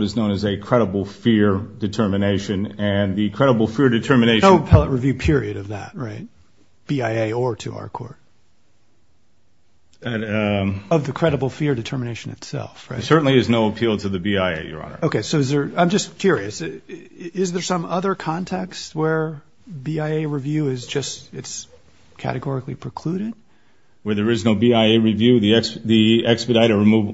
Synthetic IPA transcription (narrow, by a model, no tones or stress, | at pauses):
ɾɨznõʊ̃nɨzɨkʰɹ̥ɛɾəbl̩ˠfɪɹdɨtʰɜ˞mɨneɪʃɨ̃nɨ̃nðikʰɹ̥ɛɾəbl̩ˠfɪɹdɨtʰɜ˞mɨneɪnoʊpʰɛlˠəʔ̚ɹɨvjʉpʰɪɹiɨɾʌvðæ̰t̚ɹaɪt̚ | b̥iaɪeɪə˞ɾɨ̰ʔa̰ʊə˞kʰɔ̰ɹt̚ | ʌvðɨkʰɹ̥ɛɾəbl̩ˠfɪɹdɨtʰɜ˞mɨ̃neɪʃɨ̃nɨ̰tsɛ̰lˠfɹa̰ɪsɜ˞ʔn̩liɨznoʊəpʰilˠtʰɨðɨbiaɪḛɪjə̰˞ɑ̰̃nə̰˞oʊkʰeɪsoʊɨzðə˞ãɪ̃md͡ʒʌskʰj̥ʊɹiɨs | ɪzðə˞sʌ̃mʌðə˞kʰɑ̃ntʰɛkst̚wə˞ | biaɪeɪɹivjʉɪzd͡ʒʌstɨts | kʰæ̰ɾɨɡɔɹɨklipʰɹ̥ɨkʰl̥uɾɪd̥̚ | wə˞ðə˞ɨznoʊbiaɪeɪɹivjʉðiɛksðiɛkspɨdaɪɾɨɹɨmuv